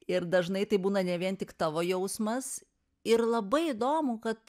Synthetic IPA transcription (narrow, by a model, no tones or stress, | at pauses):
ɪɾd̪ɐʒnɐɪt̪ɐɪbuːnɐnʲɛʋʲiɛnt̪ʲɪkt̪ɑːʋoːjɛʊsmɐs | ɪɾlˠɐbɐɪɪd̪oːmʊkɐt̪